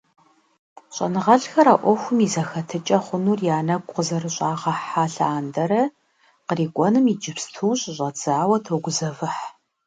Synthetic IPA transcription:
ɕʼɐ̰nɨʁɐɬxɐɾaːʔʷɔxʷʊmizɐxɐtʰɨt͡ʃʼɐχʷʊnuːrjaːnɐɡʷʼqəzɐrɨɕʼaːʁɐħaːɬaːndɐɾɐ | qəriːkʷʼɔnɨmid͡ʒɪpstʰuːɕʼɕʼɐd͡zaːwɐtʰoɡʷʊzɐvɨħ

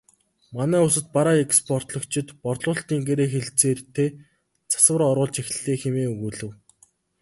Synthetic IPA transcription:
manæːʊsə̆t̪̚paɾaːekspʰɔr̥t̪ɮɞ̆kt͡ɕʰɪ̆t̪pɔɮʊːɬt̪iːŋɡeɾeːxeɮt͡seːrt̪ʰeː | t͡sʰḁswə̆rɔɾʁʊːɮt͡ɕex̆ɮeːxemeːuɣuːɮɘ̆w

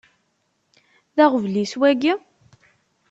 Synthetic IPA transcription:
ðæʁəvliswæɡi

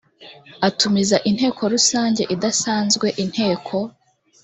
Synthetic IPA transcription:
atʰumizaʔin̥he̞ːkʰo̞ɾusaːɲɟeʔidasaːnzɡwe̞ʔin̥he̞ːkʰo̞

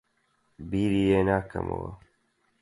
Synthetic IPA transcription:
biːɾiːeːnaːkɐ̰mɐ̰wɐ̰

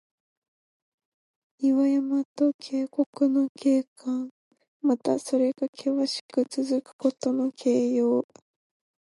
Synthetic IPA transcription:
iβajamat̪okʰe̞ːko̞kɯ̟no̞kʰe̞ːkãŋ | mat̪aso̞ɾe̞ɡakʰe̞βaɕi̥kɯ̟t͡sɨzɨkɯ̟̥ko̞t̪o̞no̞kʰe̞ːjoː

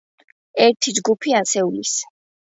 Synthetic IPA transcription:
ɛɾt̪ʰid͡ʒɡupʰiasɛulis

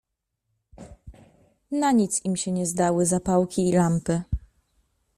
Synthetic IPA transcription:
naɲit̪simɕɛɲɛzd̪awɘzapawkʲiːlampɘ

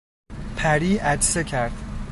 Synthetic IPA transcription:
pʰæɾiːʔæd͡ʒsecʰæɾd̪̥

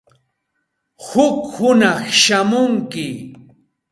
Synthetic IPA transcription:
hʊkhʊnɑχʃamʊŋkɪ

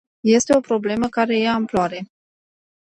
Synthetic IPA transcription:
je̞st̪e̞o̞pɾo̞ble̞məkaɾe̞jaɨmploaɾe̞

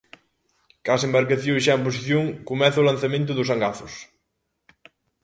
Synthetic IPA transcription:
kasembaɾkaθjoʃ̬aemp̬osiθjoŋkomɛθɐolan̟θɐmẽnt̪̬ʊðʊsaŋɡaθʊs

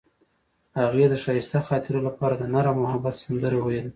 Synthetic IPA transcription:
haɣed̪əʃɑjɪst̪axɑt̪ɪɾolapɑɾad̪ənaɾamʊhabat̪sand̪əɾewajele

